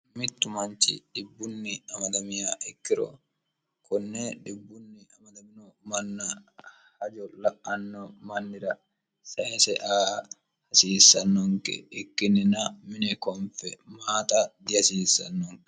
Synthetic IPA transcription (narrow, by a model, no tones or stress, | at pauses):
mɪt̪ːʊmɐnt͡ʃɪ̰ᶑɪbːʊnːɪɐmɐd̪ɐmɪjaːʔɛkːɪɾɔ̰ | kɔnːeᶑɪbːʊnːɪɐmɐd̪ɐmɪnɔmɐnːɐ | hɐd͡ʒɔlɐʔɐnːɔmɐnːɪɾɐ | sɐʔɛsɛʔaː | hɐsiːsːɐnːɔŋkɛ̰ɛkːɪnːɪnɐmɪnɛkɔnfɛ̰maːt̪ʼad̪ɪɐsiːsːɐnːɔŋk